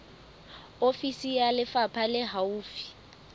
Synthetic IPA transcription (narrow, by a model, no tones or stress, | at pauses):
ofisijalɪfapʰalɪɦauːfi̥